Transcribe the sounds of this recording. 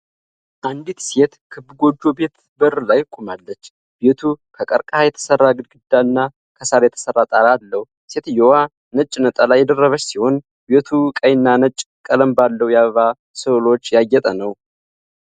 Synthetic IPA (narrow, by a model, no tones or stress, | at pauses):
ʔand̪it̪se̞t̪kʰɨbːɡo̞d͡ʒːo̞be̞t̪ | bərlajkʼumalːət͡ʃː | be̞t̪ʰukʰəkʼəɾkʼahajɛt̪ʰə̥sərːaɡɨd̪̚ɡɨd̪ːaɨnːa | kʰəsaɾjɛt̪ʰə̥sərːat̪ʼaɾalːəwu | se̞t̪jowa | nət͡ʃʼːnət̪ʼalajːɛd̪ərːəβət͡ʃːsiho̞n | be̞t̪ʰukʼəjɪnːanət͡ʃʼ | kʼələmbalːəwjaβəβa | sɨlo̞t͡ʃːjaɡːɛt̪ʼənəw